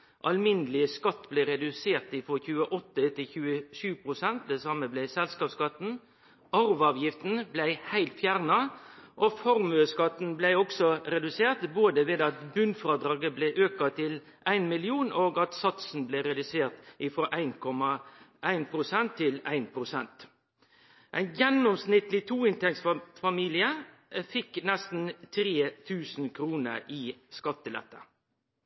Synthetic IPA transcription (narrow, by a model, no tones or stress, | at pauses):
ʔɑ̰lmɪnəlɪskɑt̪ːblæɪɾɛd̪ʉseːʁt̪ɪfɾoːçʉːəʔɔt̪ːət̪ʰɪlçʉːəʃʉːpʰɾʊsɛnt̪̚d̪ɛsɑməblæɪsɛlskɑːpskɑt̪n̩ | ɑɾʋɑːʋjɪft̪n̩blæɪhæɪlt̪fjæʁnɑʔɔfɔɾmʉəskɑt̪n̩blæɪɔksɔɾɛd̪ʉseːʁt̪boːd̪əʋeːd̪ɑt̪bʉnfɾɑːd̪ɾɑːɡəblɛʔøːkɑt̪ʰɪl | ʔæɪnmɪlɪuːnoːɡɑt̪sɑt̪sn̩blɛɾɛd̪ʉseːɾt̪ʔɪfɾoːʔæɪnkʰɔmɑʔæɪnpʰɾʊsɛnt̪ʰːɪlæ̰ɪnpʰɾʊsɛnt̪ | ʔæɪnjɛnːɔmsnɪt̪lɪt̪ʰuːɪnt̪ʰɛksfɑmiːlɪə | fɪknɛst̪n̩t̪ʰɾeːt̪ʰʉːsn̩kʰɾuːnə̰ɾiskɑt̪ːəlɛ̰t̪ːə̰